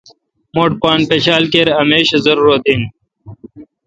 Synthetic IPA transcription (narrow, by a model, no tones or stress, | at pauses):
moːʈ̚paːnpeɕaːlkeɾɐmeːɕɐzɐɾuːɾot̪iːn